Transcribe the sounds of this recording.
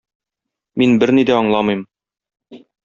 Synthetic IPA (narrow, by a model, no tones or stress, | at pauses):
minbɘɾnid̪æɒɴlˠɑmɤjm